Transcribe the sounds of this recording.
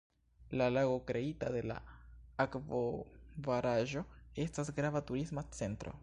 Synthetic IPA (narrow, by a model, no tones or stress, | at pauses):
lalaɣo̞kɾe̞itade̞la̰akvovaɾaʒo̞e̞stasɡɾavatuɾismat͡se̞ntɾo̞̰